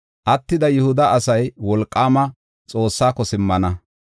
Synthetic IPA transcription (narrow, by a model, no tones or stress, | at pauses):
ʔɐt̪ːɪd̪ɐjʊhʊd̪ɐɐsɐjwɔlkʼːaːmɐ | t͡sʼo̞ːsːaːkːɔsɪmːɐnɐ